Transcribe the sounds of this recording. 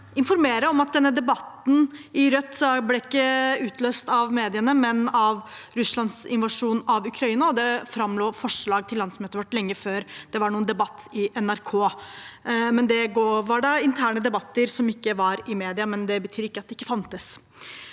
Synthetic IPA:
ɪnfɔɾmeːɾəɔmɑt̪̚d̪ɛnːəd̪ɛbɑt̪n̩ɪɾœt̪ːsɔblɛːɪkːəʉːt̪løːst̪ɑʋmeːd̪ɪənəmɛnɑʋɾʉslɑnsɪnʋɑʂuːnɑʋʉkʰɾɑiːnɑɔd̪ɛfɾɑmloːfɔʂɭɑːɡ̚t̪ʰɪlːɑnsmøːt̪əʋɑʈːlɛŋːəføːɾd̪̥ɛʋɑɳuːənd̪ɛbɑt̪ʰːɪʔɛnæɾkʰoː | mɛnd̪ɛɡoːʋɑɖɑɪnt̪ʰæːɳəd̪ɛbɑt̪ːəɾsɔmɪkːəʋɑɾɪmeːd̪ɪɑmɛnd̪ɛbət̪ʰyːɾɪkːəɑt̪̚d̪ɛɪkːəfɑnt̪əs

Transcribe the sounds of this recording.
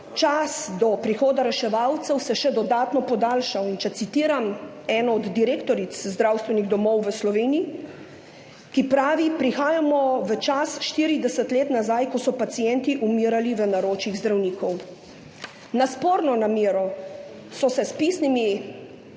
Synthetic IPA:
t͡ʃasd̪ɔpɾixoːd̪aɾɛʃɛʋawt̪sɛwsɛʃɛd̪ɔd̪aːt̪nɔpɔd̪aːlʃawint͡ʃɛsit̪iːɾam | ɛːnɔɔd̪ːiɾeːkt̪ɔɾit̪szd̪ɾawst̪ʋɛniɣd̪ɔmɔwʋəslɔʋeːnii | kipɾaːʋipɾixaːjamɔʋət͡ʃasʃt̪iɾid̪ɛsət̪leːt̪nazajkɔsɔpat̪sijɛnt̪iʔumiːɾaliʋənaɾoːt͡ʃiɣzd̪ɾawniːkʰɔw | naspoːɾnɔnamiːɾɔ | sɔsɛspiːsnimi

